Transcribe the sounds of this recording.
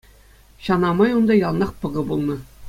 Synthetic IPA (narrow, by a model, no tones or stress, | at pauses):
ɕɑnɑmɑjund̪ɑjɑlˠnɑχpɤ̆ɡɤ̆bulˠnɤ̆